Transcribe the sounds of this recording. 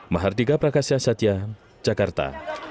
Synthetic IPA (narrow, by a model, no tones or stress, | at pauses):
maɦard̪iɡapɾakasiasat̪iḁ | d͡ʒakart̪a̰